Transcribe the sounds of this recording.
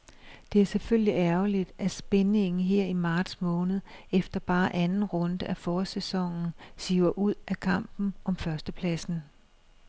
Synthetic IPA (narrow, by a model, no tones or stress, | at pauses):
d̥e̝æɐseføl̰liʔæɐʊlid̥ʔæsb̥ene̝ŋn̩ɦeɐ̰imɑ̈ːd̥smɔ̽ːnð̞̩ˠefd̥ɐb̥ɑ̈ːʔænn̩ʁɔ̽nd̥əʔæfɒːsesɒ̽ŋn̩siʊɐʔuð̞̰ˠʔækʰɑ̈m̰b̥n̩ʔɒ̽mfɶɐsd̥əpʰlæsn̩